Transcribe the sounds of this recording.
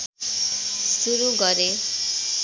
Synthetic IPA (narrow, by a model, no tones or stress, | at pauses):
suɾuɡʌɾe